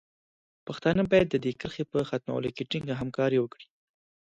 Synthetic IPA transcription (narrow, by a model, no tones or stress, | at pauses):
paxt̪ɑnəbɑjad̪ːəd̪ekəɾxepəxat̪mɑ̰w̰lokeʈiŋɡaɦamkɑɾewəkɽi̥